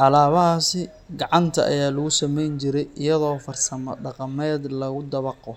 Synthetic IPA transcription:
ʔɑlaːβɐɦaːsɪ | ɡɑʕɑnt̪ʰɐ̰ʔɐ̰jaːlɐɣʊsɐmɛjnt͡ʃɪɾɛjɪjɐðɔːfɐrsɐmɐ̰ɖɑqɑmɛːd̪lɐɣʊd̪ɐβɑqɔ

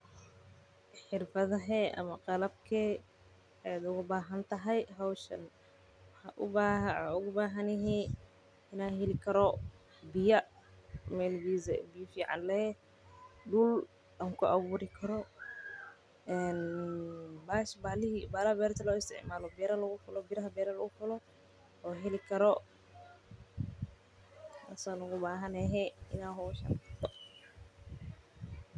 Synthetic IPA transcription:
ħɪrfɐðɐɦɛʔɐ̰mɐqɑlɐb̚kʰɛ | ɛd̪ʊɣʊbaːɦɐnt̪ʰɐɦɐjɦawʃɐ̰n | wɐħaʔʊbaɦʊɣʊbaːɦɐnɪɦɛː | ɪnaːɦɛlɪkʰɐɾɔ | bɪjɐ | mɛlbiːzɛbijɐfiːʕa̰nlɛ | ɖʊl | ɗamkɔʔawuɾikʰɐɾɔ | ɛn | baʃbalihbalabɛɾt̪alɔist̪ɛ̰ʔmalɔbɛɾalɔɡufɔlɔbiɾhabɛɾalɔufɔlɔ | ɔɦɛlikɐɾɔ | asanɔɡubaːɦanɛɦɛinaɦɔʃa̰nt̪ɔ

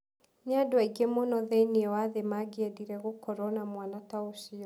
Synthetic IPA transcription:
ɲadwaiɡemɔnɔðɛniɛwaðemaɡiɛdiɾɛɣokɔɾɔnamwanataosiɔ

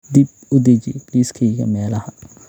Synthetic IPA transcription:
d̪ib̚ | ʊd̪ɐd͡ʒt͡ʃɛ̰jliːskʰɛjɣɐ̰mɛːlɐhɐ

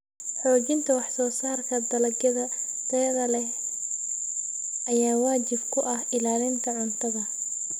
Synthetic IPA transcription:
ħɔːt͡ʃɪnt̪ʰɐwɑħsɔːsaːrkʰɐd̪ɐlɐɡjɐðɐ | t̪ɛːðɐlɛ | ʔɐjaːwaːt͡ʃɪbkʰʊʔɐhɪlaːlɪnt̪ʰɐʕʊnt̪ʰɐðɐ

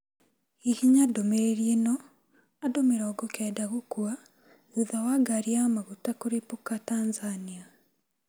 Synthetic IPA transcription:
ihiɲadomeɾeɾienɔ | adomeɾɔːɡɔkɛdaɣokwa | uðawaɡaɾiamaɣutakoɾepokatanzania

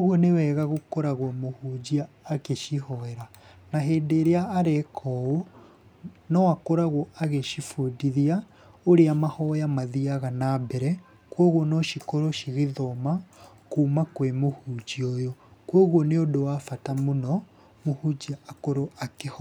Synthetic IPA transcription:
ɣwonewɛːɣaɣokoɾaɣwɔmohud͡ʑiaːkeʃiɦɔɛɾa | naɦeːdeːɾeaːɾekʰɔo | nɔakoɾaɣoʔaɣeʃifodiðia | oɾeamahɔjamaðiaɣanabɛɾɛ | kwoɣwonɔʃikoɾoʃiɣeðɔmakuːmakwemohud͡ʒiojɔkwoɣwoneodowaːfatamonɔ | mohud͡ʑiaːkoɾoʔakehɔ

